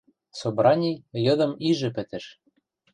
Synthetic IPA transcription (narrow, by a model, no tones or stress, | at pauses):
sobɾɑnʲijjɤ̆d̪ɤ̆miʒɘ̆pɘ̆t̪ɘ̆ʃ